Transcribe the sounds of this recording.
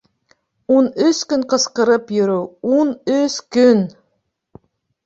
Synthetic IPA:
unɵskɵŋqɤ̆sqɤ̆ɾɤpjɵ̆ɾuwunɵskɵn

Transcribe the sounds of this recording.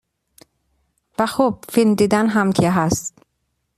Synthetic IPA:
væxob̥̚filmd̪iːd̪ænɦæmkʰeɦæst̪t̪

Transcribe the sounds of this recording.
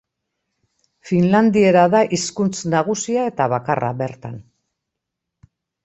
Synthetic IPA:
finland̪ie̞ɾaðaʔiskunt͡snaɣ̞usiae̞t̪aβaka̰rʔa̰βe̞ɾt̪an

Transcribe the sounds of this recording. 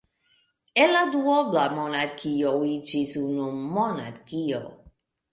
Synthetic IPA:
elad̪uoblamonaɾkʰioid͡ʒisunumona̰ɾkio̰

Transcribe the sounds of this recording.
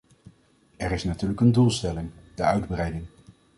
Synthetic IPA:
ɛɹɪsnatyːɹləkəndulˠstɛlɪŋd̥əœɥdbrɛjdɪŋ

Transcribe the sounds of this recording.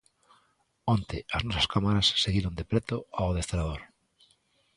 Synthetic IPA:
ont̪eʔaznɔsaskamaɾasːeɣiɾond̪epɾet̪oawðest̪ɾaðoɾ

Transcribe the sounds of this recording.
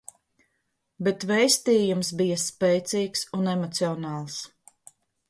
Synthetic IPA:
bɛt̪vɛjst̪iːjumsbijaspɛjt̪siːksunɛmɔt̪siɔnɑːlˠs

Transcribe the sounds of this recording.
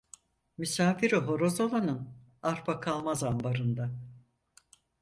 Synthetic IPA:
mysaːfiɾiɦo̞ɾo̞zolˠanɯn | aɾpʰakʰalˠmazambaɾɯnd̪a

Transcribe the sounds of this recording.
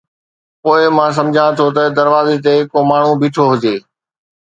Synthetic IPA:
poːɪmãːs̬ɐ̃md͡ʑʱãt̪ʰot̪̬ɐd̪ɐɾʋaːzet̪̬eɦkomaːɳ̤ũbɪːʈʰoɦʊd͡ʑeː

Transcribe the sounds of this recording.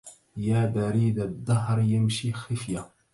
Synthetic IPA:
jaːbaɾiːd̪ad̪ˤːɑɦɾjamʃiːxɪfja

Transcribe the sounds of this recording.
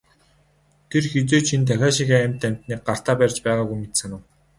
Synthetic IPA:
t̪ʰerxet͡soːt͡ɕʰint̪ʰæxʲaːʃixææmʲt̪æm̥ʲt̪niːk̚ɢar̥t̪aːpærʲt͡ɕpæːʁaːɡujmit̪sɘ̆nʊ̆w

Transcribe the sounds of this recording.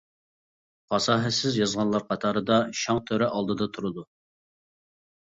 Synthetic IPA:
pɑsɑːɦɛsɪzjɑzʁɑnlˠɑɾqʰɑt̪ʰɑːɾɨd̪ɑʃɑŋt̪ʰøɾɛʔɑlˠd̪ɨd̪ɑt̪ʰuɾɨd̪u

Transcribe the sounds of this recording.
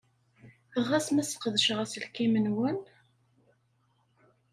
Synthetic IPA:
əʁːæsmæsqðəʃʁæslkimənwən

